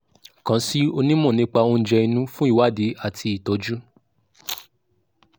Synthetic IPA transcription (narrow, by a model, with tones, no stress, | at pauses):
kã˨˧˦si˦o˧nĩ˦mũ˦˨nĩ˦k͡pa˧o˧n̩˦d͡ʒɛ˧i˧nũ˦fũ˦i˦˨wa˦˨di˨˦a˦˨tʰi˧i˨to˨˦d͡ʒu˦